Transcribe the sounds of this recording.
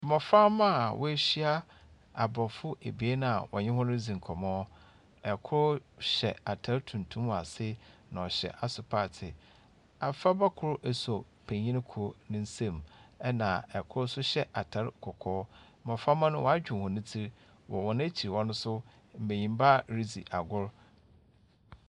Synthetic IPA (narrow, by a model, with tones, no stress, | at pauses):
m̩˨mɔ̃˨fa˦mã˦˨wʔɔ˦e˦ɕi˦a˦ | a˨bɔ˨fʊ˦e˨bi˨e˦nã˨a˨wɔ̰˨ɲɪ̃˦hʊ̃˦nʊ̃˦d͡zĩ˨ŋ̩˨kʰɔ˨mɔ̃ː˦ | ɛ˨kʰʊ˦ɾʊ˦ɕɛ̰˨a˨tʰa˦ɾtʰũ˨ntʰũ˦m˨a̰˨sɪ˦nã˨ɔ˨ɕɛ̰˨ʔa˨sʊ˨pʰaː˦˨tʰɪ˨ | a˨fa˦ba˦kʰʊ˦ɾʔɛ˨sɔ˨ | pʰæ̃˨ɲĩ˦ñ˦kʰɔ˦nɪ̃˦n̩˦sẽ˦mɛ˦nã˨ɛ˨kʰʊ˦ɾsʊ˦ɕɛ˦ʔa˨tʰa˨˦ɾkʰɔ˨kʰɔː˦ | mɔ̃˨fa˦mã˦nʊ̃˦wɔ˨˦a˦d͡ʑᶣʊ̃˨hɔ̃˨nɪ̃˦tʰi˦ɾ | wɔ̰˨wɔ˨ñ˦æ˦t͡ɕʰi˨i˨wɔ̃˦nʊ̃˦sʊ˦ | m̩˨mẽ˨ɲĩ˨m˦ba˦ɾi˦d͡zi˨ʔa˨ɡʊ˦ɾ